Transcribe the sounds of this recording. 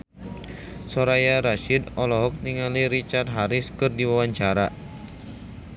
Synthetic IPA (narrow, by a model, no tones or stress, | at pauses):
sɔɾajaɾaʃidɔlɔɦɔk̚niŋaliɾit͡ʃart̪̚ɦaɾɪskɨrdiwawaɲt͡ʃaɾa